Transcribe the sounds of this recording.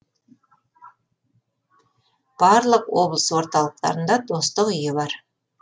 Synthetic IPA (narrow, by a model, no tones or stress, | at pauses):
b̥ɑɾlˠəqwo̞blˠə̥swo̞ɾt̪ɑlˠəq̚t̪ɑ̰ɾənd̪ɑd̪o̞st̪əqʏjɪbɑɾ